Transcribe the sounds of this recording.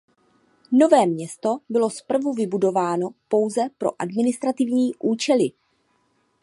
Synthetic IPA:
no̞vɛːmɲɛst̪o̞bɪlo̞spr̩vuvɪbudo̞vaːno̞po̞wzɛpɾo̞̰ʔadmɪnɪst̪ɾat̪ɪvɲiːʔuːt͡ʃɛlɪ

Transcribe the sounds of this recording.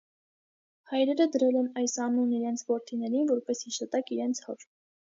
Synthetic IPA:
hɑjɾɛɾəd̪əɾɛlɛnɑjsɑnuniɾɛnt͡sʰvɔɾt̪ʰinɛɾinvɔɾpɛshiʃɑt̪ɑkiɾɛnt͡sʰhɔɾ

